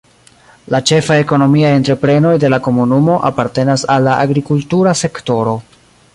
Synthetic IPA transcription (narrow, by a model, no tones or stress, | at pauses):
lat͡ʃe̞faeko̞no̞miae̞ntɾe̞pɾe̞no̞jde̞lako̞munumo̞ʔapaɾte̞nasalːaʔaɡɾikultuɾase̞kto̞ɾo̞